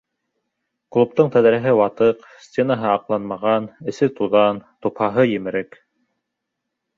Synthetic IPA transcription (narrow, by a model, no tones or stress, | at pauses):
klˠup̚t̪ɤɴt̪æðɾæɦɘwɑt̪ɤq | sʲtʲenaɦɤɑqlˠɑnmɑʁɑnɘ̆sɘt̪uðɑnt̪uphɑɦɤjɘ̆mɘ̆ɾɘk